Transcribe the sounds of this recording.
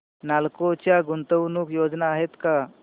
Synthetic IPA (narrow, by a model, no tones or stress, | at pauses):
nalkot͡ɕjaɡunt̪əwnuːkjod͡ʑnaːɦet̪ka